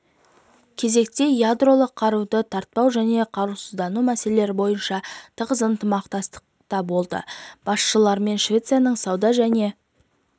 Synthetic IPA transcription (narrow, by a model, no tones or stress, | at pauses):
kʲʰe̞ze̞k̚t̪e̞jad̪ro̞lˠəqʰːɑɾud̪ət̪ʰɑɾt̪̚pɑwʒæne̞qʰɑɾusəzd̪ɑnumæse̞lele̞ɾɪbo̞jənʃɑt̪ʰəʁəzənt̪əmɑqt̪ɑst̪ə̥qt̪ɑbo̞lˠd̪ə̰b̥ɑsʃəlˠɑɾme̞nʃvʲe̞t̪sɨjanəɴsɑwd̪ɑʒæne̞